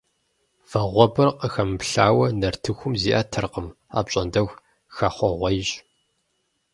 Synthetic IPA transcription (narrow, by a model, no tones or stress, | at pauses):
v̥ɐʁʷɔbɨrqəxɐmɨpɬaːwɐnɐrtʰɨxʷʊmziːʔɐtʰɨrqəm | a̰ːpɕʼɐndɐɣ | xɐχʷɔʁʷɐjɕʼ